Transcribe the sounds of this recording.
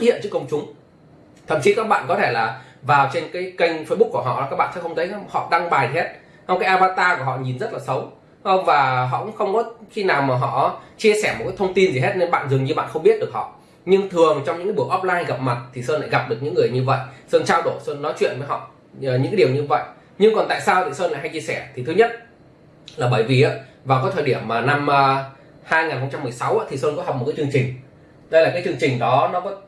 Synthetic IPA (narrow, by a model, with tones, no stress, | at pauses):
hḭ˧˨ənt͡ɕɨ˦˥kə˧wŋ͡mt͡ɕʊ˨˦ŋ͡m | t̪ʰə̰˧˩mt͡ɕi˨˦kaː˦˥k̚ɓa̰ː˧˨nkɔ˨˦t̪ʰe˧˩laː˨˩ | vaː˨˩wt͡ɕe˧nkaː˨˦jkə˧jŋ̟fəː˧jɓʊ˦˥k̚ku˧˩ɦɔ̰˧˨a˨˩kaː˦˥k̚ɓa̰ː˧˨nsɛ˧˦˥xə˧wŋ͡mt̪ʰə˨˦jhɔ̰˧˨ɗa˧ŋɓaː˨˩ji˨˩ɦe˦˥t̚ | ha˧wkaː˨˦jʔaː˧vaː˧t̪aː˧ku˧˩ɦɔ̰˧˨ɲi˨˩nzt̚laː˨˩sə˨˦w | ə˧ŋ͡mvaː˨˩ɦɔ̰˧˨kʊ̰˧˥ŋ͡mxə˧wŋ͡mkɔ˨˦xi˧naː˨˩wmaː˨˩ɦɔ̰˧˨t͡ɕi˧əsɛ˧˩m̚˨˩kaː˨˦jt̪ʰə˧wŋ͡mt̪i˧nzi˨˩e˦˥t̚ne˧nɓa̰ː˧˨nzɨ˨˩ŋɲɨ˧ɓa̰ː˧˨nxə˧wŋ͡mɓi˦˥ət̚ɗək̚hɔ̰˧˨ | ɲɨ˧ŋt̪ʰɨ˨˩əŋ˨˩t͡ɕɔ˧wŋ͡mɲɨ̰˧˥ŋaː˨˦ɓɨ˧˩ək̚ʔɔ˦˥p̚laː˧jɣa˨˩p̚ma˨˩t̚t̪ʰi˨˩səː˧nla̰ː˧˩˨ɣa˨˩p̚ɗɨ˨˩ək̚ɲɨ̰˧˥ŋːɨ˨˩əjɲɨ˧və̰˧˨jsəː˧nt͡ɕaː˧wɗo˧˩səː˧nːɔ˨˦jt͡ɕwḭ˧˨ənvə˨˦jɦɔ̰˧˨˩ | ɲɨ̰˧˥ŋka˨˦ɗi˨˩əwɲɨ˧və̰˧˨j | ɲɨ˧ŋkɔ˨˩nt̪a̰ː˧˨jsaː˧wt̪ʰi˨˩səː˧nla̰˧˨ɦa˧jt͡ɕi˧əsɛ˧˩t̪ʰi˨˩t̪ʰɨ˨˦ɲə˦˥t̚ | laː˨˩ɓəː˧˩jvi˨˩ʔaː˨˧˦ | vaː˨˩kɔ˨˦t̪ʰəː˨˩ɗi˧˩əmːaː˨˩na˧mː˧ | haː˧jŋaː˨˩nxə˧wŋ͡mt͡ɕa˧mːɨ˨˩əjsa˨˦wʔaː˨˦t̪ʰi˨˩səː˧nkɔ˨˦ɦa˨˩wk͡p̚mo˨˩t̚kːt͡ɕɨ˧əŋt͡ɕï˨˩ŋ̟ | ɗə˧jlaː˨˩kaː˨˦jt͡ɕɨ˧əŋt͡ɕï˨˩ŋ̟ɗɔ˨˦nɔ˨˦kɔ˨˦